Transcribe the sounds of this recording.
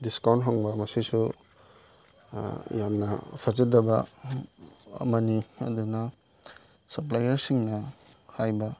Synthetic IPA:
diskawntɦaŋbɐmɐsisu | jamnɐpʰazidɐbɐ | ɐ̰mɐniɐ̰dunɐ | sɐplajɐɾsiŋnɐhajbɐ

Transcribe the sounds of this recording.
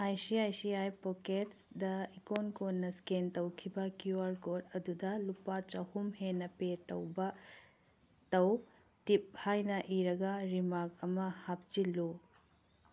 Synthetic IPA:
ajsiajsiajpoketsdɐikonkonːɐskentɐwkʰibɐkjuaɾkodɐdudɐlupat͡ʃɐhumhenːɐpetɐwbɐ | tɐw | tip̚hajnɐʔiɾɐɡɐɾimakɐmɐhap̚t͡ʃilu

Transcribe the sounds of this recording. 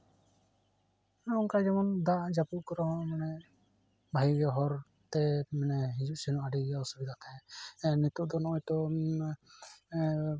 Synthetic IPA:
nɔnkad͡ʒɛmɔnd̪aʔd͡ʒapukɔɾɔmanɛ | bʱajiɡɔɦɔɾ | t̪ɛmɛnɛɦĩd͡ʒuʔsinuʔaɖijaɔsubid̪ʱat̪ʰaɛ̃nit̪uʔd̪ɔnɔɔjt̪ɔ

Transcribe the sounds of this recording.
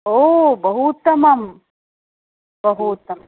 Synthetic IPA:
oːbɐɦut̪ɐmɐm | bɐɦut̪ɐm

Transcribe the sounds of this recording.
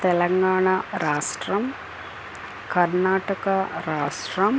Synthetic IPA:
t̪ɛlɐŋɡaːɳaɾaːʂʈɾɐm | kɐɾnaːʈɐkɐɾaːʂʈɾɐm

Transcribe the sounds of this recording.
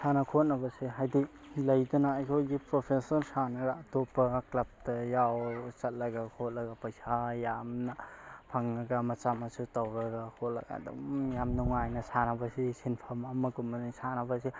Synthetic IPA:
sanɐkʰot̚nɐbɐsiɦajdi | lɐjdunaːjkʰojɡipɾopʰesɔɾsanɐɾatopːɐklɐp̚tɐjawt͡ʃɐt̚lɐɡakʰot̚lɐɡɐpɐjsajamnɐpʰaŋnɐɡamɐt͡ʃamɐsutawɾɐɡakʰotlɐ̰ɡa̰dṵmjamnuŋajnɐsanɐbɐsisinpʰamɐmɐɡumɐnisanɐbɐsi

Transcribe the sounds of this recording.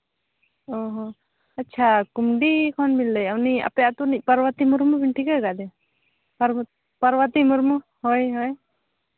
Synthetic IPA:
ɔɦɔ̃ | ɐtːt͡ʃʰakumɖikʰɔnbilːəjawnia̰pɛjat̪unic̚paɾwət̪imuɾmubiɳʈʰikɛɡad̪ɛ | paɾ | paɾwat̪imuɾmu | hɔjɦɔj

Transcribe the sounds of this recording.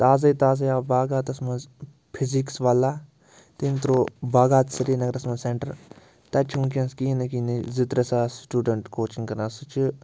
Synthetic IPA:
t̪aːzɐjt̪aːz̬ɐjaːbaːɡaːt̪ɐsmɐ̃nz | pʰiziksʋaːlaː | t̪int̪ɾoːbaːɡaːt̪sɐɾiːnɐɡɾɐsmɐ̃nzseɳʈəɾ | t̪ɐt͡ʃʰũnkiɐ̃nskiːnɐkiːnizɪt̪ɾɐsaːsʈuːɖəɳʈkoːt͡ʃiŋkɐɾnaːsut͡ʃʰ

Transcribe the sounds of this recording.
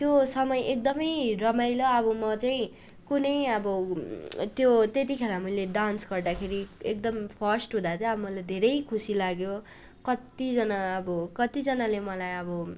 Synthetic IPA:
t̪josʌmʌjek̚d̪ʌmʌjɾʌmajlʌʌbʌmʌt͡saĩ | kunʌjʌbʌ | t̪jot̪et̪̬ikʰeɾamʌjleɖansɡʌrd̪akʰeɾiek̚d̪ʌmpʰʌsʈɦũd̪at͡saĩʌbʌmʌlajd̪ʱeɾʌjkʰusilaɡjo | kʌt̪id͡zʌnaʌbʌkʌt̪id͡zʌnalemʌlajʌbʌ

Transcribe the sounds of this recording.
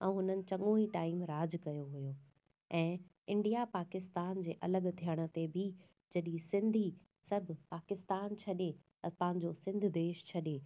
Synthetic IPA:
ɛ̃ːɦʊnənɪ̆t͡ɕɐ̃ŋɠõiʈaːɪmɾaːd͡ʑkɐjoɦujoː | ɛ̃ː | ɪ̃ɳɖijapaːkɪst̪aːnd͡ʑeːʔɐləɠt̪ʰijəɽ̃ə̆t̪ebʱɪ | d͡ʑɐɗĩsɪ̃nd̪ʱi | sɐbʱɪpaːkɪst̪aːnt͡ɕʰɐɗe | pɐ̃ːɪ̃ɲd͡ʑosɪ̃nd̪ʱɪd̪eːʃt͡ɕʰɐɗeː

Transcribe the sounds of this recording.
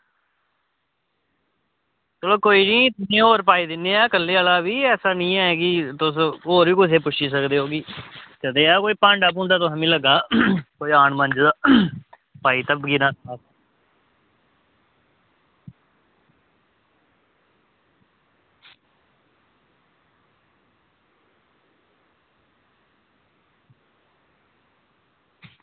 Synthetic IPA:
t̪oːloːkoːiːnĩːt̪ʊnẽːoːɾpaːiːd̪ɪnːeːaːkəlːeːəlaːʋiːɛːsaːnĩːɛːkɪt̪ʊs̬oːɾʋiːkʊseːpʊʃiːs̬əkd̪eːɦoːɡiːd͡ʒəd̪eːaːkoːiːpəɳɖaːp̬ʊ̃ːnd̪aːt̪̬ʊsãːmĩːləɡaːkoːiːaːɳmə̃nd͡ʒd̪aː | paːiːt̪əbɡiːnaːa

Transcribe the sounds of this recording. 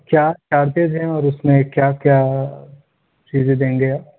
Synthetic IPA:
kjaːt͡ʃaːɾt̪ed͡ʒɦɛ̃ɔːɾʊsmẽkjaːkjaː | t͡ʃiːzed̪ẽːŋɡeaː

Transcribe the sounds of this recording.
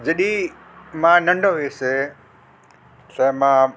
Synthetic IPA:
d͡ʑɐɗĩ | mãnɐ̃ɳɖʱoɦuese | sɐ̃mã

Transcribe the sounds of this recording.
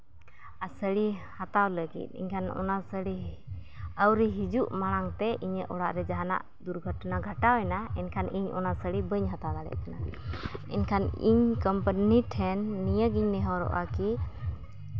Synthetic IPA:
asəɽihat̪awləɡḭt̪̚ˀḭɲkʰanɔ̰nasəɽi | əwɾiɦid͡ʒuʔmaɽ̃aŋt̪ɛʔiɲəʔʔɔɽaʔɾɛd͡ʒaɦana̰ʔ | d̪uɾɡʱəʈnaɡʱəʈawɛnaɛnkʰaniɲɔ̰nasəɽibəɲɦat̪ad̪aɽɛ̰ʔ̪̚kana | ɛ̰nkʰanḭɲkəmpəniʈʰɛnːijəɡiɲnɛɦɔɾɔ̰ʔaki

